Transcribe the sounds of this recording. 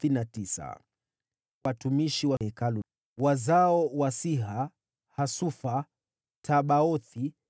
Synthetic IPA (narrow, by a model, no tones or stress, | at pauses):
θinatisa̰ | watumiʃiwahɛkalu | wazaɔwasiɦa | hasufa | tʰaɓaɔθi